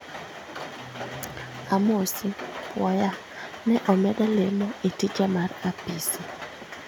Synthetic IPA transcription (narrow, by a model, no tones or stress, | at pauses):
amosipwɔja | nɛʔɔmɛdalemɔetit͡ʃamarapisi